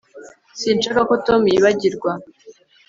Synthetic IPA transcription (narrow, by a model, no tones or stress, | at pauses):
siːnʃakako̞to̞mujiβaɟiɾɡwa